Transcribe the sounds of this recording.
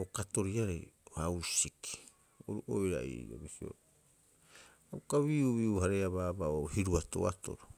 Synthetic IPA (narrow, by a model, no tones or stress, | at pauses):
okato̞ɾiaɾḛjohawsiki̥ | oɾuʔojɾa̰ḭɾo̰bisio̰ɾ | awkaβiuβiuhaɾeaβaːbaohiɾuato̞̰a̰to̞̰ɾo